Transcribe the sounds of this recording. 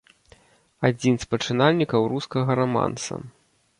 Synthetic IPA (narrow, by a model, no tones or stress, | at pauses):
ad͡zʲinspɐt͡ʂɨnalʲnʲikɐwɾuskɐɣɐɾɔma̰nsɐ̰